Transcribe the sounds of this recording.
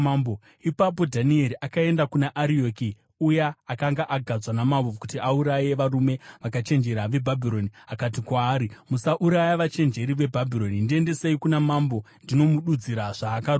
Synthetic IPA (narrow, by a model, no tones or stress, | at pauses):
ambo | ipap̬o̞dʱanieɾiʔakae̞ndakunaʔaɾio̞ki | ujaːkaŋɡaʔaɡʱad͡zwanamaʋokutiauɾaje̞ʋarume̞ʋakat͡ʃe̞nd͡ʒe̞ɾaʋe̞bʱabʱiɾo̞niakatikwaːɾimusaʔuɾajaʋat͡ʃe̞nd͡ʒe̞ɾiʋe̞bʱabʱiɾo̞nindie̞nde̞seikunamambo̞ | ndino̞muɗud͡ziɾaʐ̥aːkar